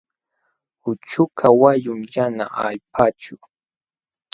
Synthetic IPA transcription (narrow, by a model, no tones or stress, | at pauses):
ʊt͡ʃʊkʰawajʊmjana̰a̰ʎpʰat͡ʃʊ